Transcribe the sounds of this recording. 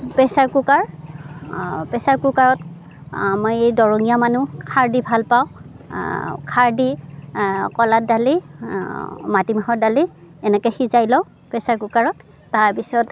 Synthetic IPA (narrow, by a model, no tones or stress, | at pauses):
pɛsaɹkukaɹ | pɛsaɹkʊkaɹɔt | mɔjejdɔɹɔŋijamanukʰaɹdibʱalpaw̃ | kʰaɹdi | kɔlat̚dali | matimaɦɔdali | ɛnɛkɛxizajlɔw | pɛsaɹkukaɹɔtː | aɹpisɔt